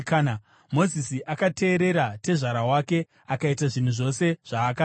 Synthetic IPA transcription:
kana | mo̞zisiʔakate̞ːɾe̞ɾate̞ʐaɾawake̞ | akaitaʐin̤uʐo̞se̞ʐ̥aːka

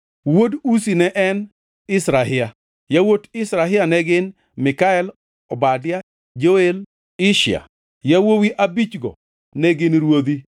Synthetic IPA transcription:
wodusinɛʔɛn | ɪsɾaɦɪa | jawotɪsɾaɦɪanɛɡɪn | mɪkaɛl | ɔbadɪja | d͡ʒoel | ɪʃɪa̰ | jawowiʔabit͡ʃɡɔ̰ | nɛɡɪnɾwod̪i

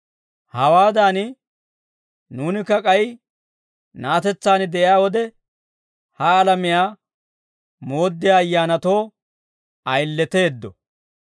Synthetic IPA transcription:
hɐwaːd̪aːnɪ | nuːnɪkːɐkʼɐj | naːt̪ɛt͡sːaːnd̪ɛʔɪjaːwɔd̪ɛ | hɐːlɐmɪjaː | mo̞ːd̪ːɪjaːjːaːnɐt̪o̞ː | ɐjlːɛt̪e̞ːd̪ːɔ̰

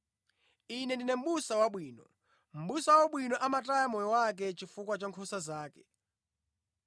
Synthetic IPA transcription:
inɛndinɛm̩ɓusawaɓwiːnɔ̰ | m̩ɓusawaɓwinɔʔamatajamɔjɔwak̬ɛt͡ʃifukwat͡ʃaŋkʰusazaːkɛ̥

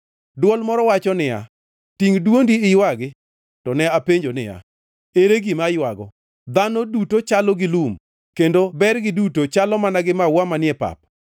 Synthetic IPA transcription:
dwɔlmɔɾɔwat͡ʃɔnɪja̰ | tiŋdwondiɪjwaɡɪ | tɔnɛapeɲd͡ʒonɪ̰ja̰ | eɾeɡimajwaɡɔ | d̪anɔdutot͡ʃalɔɡɪlum | kendobɛrɡɪdutot͡ʃalɔmanaɡɪmawamanɪjɛpa̰p̚

